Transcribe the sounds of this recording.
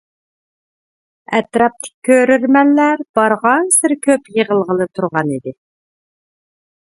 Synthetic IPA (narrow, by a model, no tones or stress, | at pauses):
ɛt̪ɾɑp̚t̪ʰɪ̥k̚ʲʰːøɾyɾmɛnːæɾb̥ɑɾʁɑnsɪɾkʲʰøpjəʁəlˠʁəlˠɨt̪ʰuɾʁɑnid̪ɪ